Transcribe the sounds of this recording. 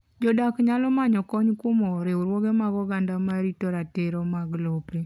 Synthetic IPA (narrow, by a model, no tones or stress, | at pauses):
d͡ʒɔdakɲalɔmaɲɔkɔɲkʊmɔɾeuɾwoɡemaɡɔɡandamaɾitɔɾateɾɔmaɡlopɾe